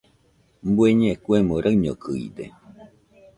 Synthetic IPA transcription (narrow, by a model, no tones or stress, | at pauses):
mbueɲẽkwemoɾaɲo̰kɨḭd̪e